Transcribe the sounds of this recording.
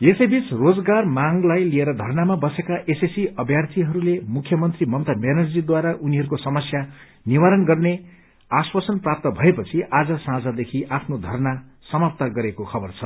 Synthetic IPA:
esʌjbit͡srod͡zɡarmaŋlajlieɾʌd̪ʱʌrnamabʌsekaʔesesiʌbʱjart̪ʰiɦʌɾulemukʰjʌmʌnt̪rimʌnt̪ʌmenʌrd͡zid̪waɾaʔuniɦʌɾukosʌmʌsja | niwaɾʌnɡʌrne | aswʌsʌnprap̚t̪ʌbʱʌepʌt͡sʰiʔad͡zʌsãd͡zad̪ekʰiʔapʰnod̪ʱʌrna | sʌmap̚t̪aɡʌɾekokʰʌbʌrt͡sʰʌ

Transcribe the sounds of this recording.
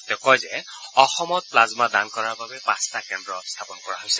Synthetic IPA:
tɔkɔjzɛ | ɔxɔmɔt̚plazmadankɔɹaɹbabɛpãstakɛndɹɔst̪ʰapɔnkɔɹaɦojsɛ

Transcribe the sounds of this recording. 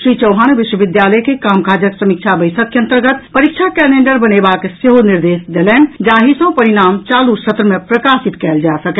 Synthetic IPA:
sɾit͡ʃəwɦañuʋiʃwəbid̪jaləjkekamkʰad͡ʒəksəmik̚t͡ʃʰabəjsək̪̚keə̃nt̪əɾɡət̪pəɾik̚t͡ʃʰakɛleɳɖəɾbənebakseɦoniɾd̪esd̪elɛnd͡ʒaɦisə̃pəɾinamt͡ʃalusət̪ɾəmepɾəkasit̪kɛld͡ʒasək

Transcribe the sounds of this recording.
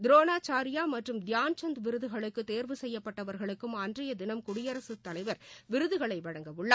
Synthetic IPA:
d̪ɪɾoːnaːt͡ʃaːɾɪjaːmɐʈrɯmd̪ɪjaːnt͡ʃɐnd̪ʋɪɾɯðɯɣɐɭɯkːɯt̪ːeːɾʋɯsɛjːɐpːɐʈːɐʋɐɾɣɐɭɯkːɯmaːndrɪjɐd̪ɪnɐmkʊɽɪjɐɾɐsɯt̪ːɐlɐɪʋɐɾʋɪɾɯðɯɣɐɭɐɪʋɐɻɐŋɡɐʋɯɭːaː

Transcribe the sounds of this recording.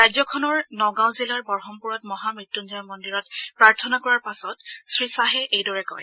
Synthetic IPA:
ɹajzɔkʰɔnɔɹnɔɡãw̃zilaɹbɔɹxɔmpuɹɔtmɔɦamɹitːunzɔjmɔndiɹɔtpɹaɹtʰɔnakɔɹaɹpasɔtsɹisaɦɛʔejdɔɹɛkɔ̰j

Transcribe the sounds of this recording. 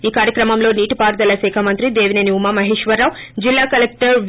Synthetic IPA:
iːkaːɾjɐkɾɐmɐmlo̞ːniːʈipaːɾd̪ɐlɐsɛːkʰɐmɐnt̪ɾid̪eːʋineniumaːmɐɦeːʂʋɐɾːaːw | d͡ʒilːaːkɐlek̚ʈɐɾʋ

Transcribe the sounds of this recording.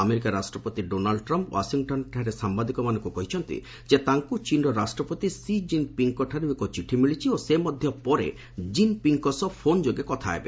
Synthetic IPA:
ameɾikaɾasʈɾɔpot̪iɖonaɭɖʈɾɔmpwa̰siŋʈɔnʈʰaɾesambad̪ikɔmanɔŋkukɔɦit͡ʃʰɔnt̪ḭ | d͡ʒet̪aŋkut͡ʃinɖɔɾasʈɾɔpɔt̪isid͡ʒinpiŋkɔʈʰaɾuekɔt͡ʃiʈʰimiɭit͡ʃʰiosemɔd̪ʱjɔpɔɾḛ | d͡ʒinpiŋkɔsɔpʰond͡ʒoɡekɔt̪ʰaḛbḛ

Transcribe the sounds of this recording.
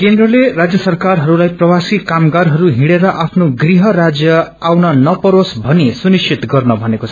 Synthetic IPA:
kend̪rʌlerad͡zjʌsʌrkarɦʌɾulajprʌbasikamɡaɾɦʌɾuɦiɽeɾʌʔapʰnoɡriɦʌrad͡zjʌ | awnʌnʌpʌɾosbʱʌnisunist͡ʃʰit̪ɡʌrnʌbʱʌnekot͡sʰʌ

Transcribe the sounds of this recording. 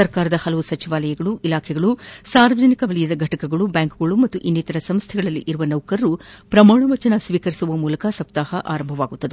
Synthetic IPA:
sɐɾkaːɾɐd̪ɐhɐlɐʋusɐt͡ʃiʋaːlɐjɐɡɐɭuʔilaːkʰɛɡɐɭusaːɾʋɐd͡ʒɐnikɐʋɐɭijɐd̪ɐɡʱɐʈɐkɐɡɐɭubjaːŋkuɡɐɭumɐt̪ːuʔinːit̪ɐɾɐsɐmst̪ʰɛɡɐɭɐlːḭʔiɾuʋɐnɐwkɐɾɾupɾɐmaːɳɐʋɐt͡ʃɐnɐsʋiːkɐɾisuʋɐmuːlɐkɐsɐk̚t̪aːhɐʔa̰ːɾɐmbʱɐʋaːɡut̪ːɐd̪e

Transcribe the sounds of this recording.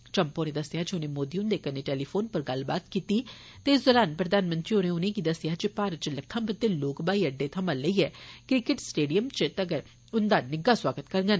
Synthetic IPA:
t͡ʃəmpoːnẽːd̪əsɪjaːd͡ʒiʊnẽːmoːd̪iːʊnd̪eːkəneʈeːliːpʰoːnpəɾɡɐlbaːt̪kiːt̪iː | t̪eːzʊlaːnpɾəd̪aːnmə̃nt̪ɾiːonẽʊnẽːkid̪əsɪjaːd͡ʒipaːɾət͡ʃləkk̪ʰːãːbət̪ːeloːkbaːiːəɖːeːt̪ʰəmələiːɛːkɾɪkɪʈsʈeːɖijəmt͡ʃt̪əɡəɾ | ʊnd̪aːnɪɡaːswaːɡət̪kəɾŋɡən

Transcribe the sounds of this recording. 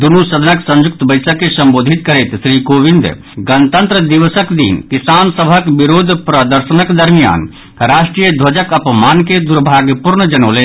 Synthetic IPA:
d̪unusəd̪ʱənəksə̃ɲd͡ʒʊkt̪bəɪsəkːesɐ̃mboːd̪ʱit̪kəɾet̪sɾiːkoːʋĩnd̪ | ɡənt̪ənt̪ɾəd̪iʋəsəkd̪ḭːnkisaːnsəbʱəkbiɾoːd̪ʱpɾəd̪əɾʃənəkd̪əɾmija̰ːn | ɾaːʃʈɾijəd̪ʱʋɐd͡ʒəkɐpmaːnked̪uɾbʱaːɡjəpuɾnəd͡ʒɐnoːle

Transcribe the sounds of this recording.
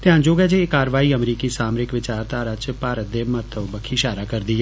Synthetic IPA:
t̪ɪɦãːd͡ʒoːɡɛd͡ʒekːaːɾʋaːiːəmɾiːkisaːmɾɪkʋɪt͡ʃaːɾt̪aːɾət͡ʃpaːɾət̪̚d̪emət̪əʋbəkʰiʃaːɾakəɾd̪iɦɛ

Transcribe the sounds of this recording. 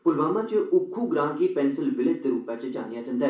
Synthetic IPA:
pʊlʋaːmãt͡ʃəʔʊkʰːuɡɾaːmkipɛːnsəlʋɪlɪft̪eɾuːpat͡ʃəd͡ʒa̰ːnijaːt͡ʃə̃nd̪ɛː

